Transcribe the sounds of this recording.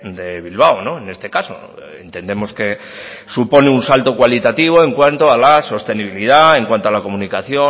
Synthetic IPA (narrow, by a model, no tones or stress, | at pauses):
d̪e̞β̞ilβ̞awno̞e̞ne̞st̪e̞kaso̞̰ | ḛnt̪e̞nd̪e̞mo̞ske̞ | supo̞neunsalt̪o̞kwalit̪at̪iβ̞o̞e̞ŋkwant̪oalaso̞st̪e̞niβ̞ilið̞ae̞ŋkwant̪oalako̞munikaθjo̞